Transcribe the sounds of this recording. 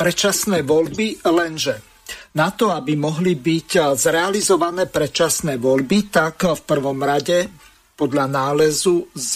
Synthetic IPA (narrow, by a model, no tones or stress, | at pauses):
pɾɛt͡ʃasnɛːʋɔʎbilɛnʒɛ | nat̪ɔabimɔɦlibiczɾɛalizɔʋanɛːpɾɛt͡ʃasnɛːʋɔʎbit̪akfpr̩ʋɔmɾaɟɛ | pɔd̪ʎanaːlɛzuz